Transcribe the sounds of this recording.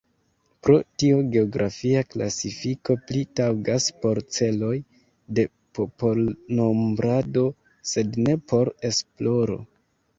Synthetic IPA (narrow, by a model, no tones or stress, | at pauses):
pɾo̞tioɡe̞o̞ɡɾʔafiakla̰sifiko̞plitawɡaspo̞ɾt͡se̞lo̞j | de̞ | popo̞lno̞mbɾado̞ | se̞dne̞po̞ɾe̞splo̞ɾo̞̰